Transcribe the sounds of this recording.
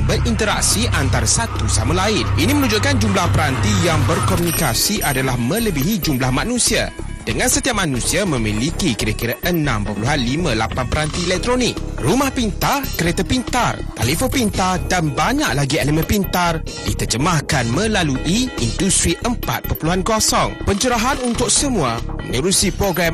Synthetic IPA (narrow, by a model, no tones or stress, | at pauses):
bəɾʔint̪əɾa̰k̚siʔant̪aɾasat̪usamalaɪnʔinimənũd͡ʒuʔkand͡ʒumblahpəɾant̪ijaŋbərkɔmunikasiʔadalahmə̃ləbiɦid͡ʒumblahmãnũsia̰ | d̥əŋãnsət̪iap̚mãnũsiamə̃milikikiɾakiɾaʔənã̰mpərpuluɦanlimãlapanpəɾant̪ielɛk̚t̪ɾonɪk̚rumahpint̪ahkəɾet̪əpint̪art̪alifopint̪ardanbaɲa̰ʔlaɡielimə̃pint̪ar | dit̪ərd͡ʒəmahkanmə̃laluʔiindust̪ɾiʔəmpa̰t̪̚pəpəluɦankɔsɔŋpəɲt͡ʃəɾaɦanunt̪ʊk̚səmũamə̰nəɾusipɾoɡɾam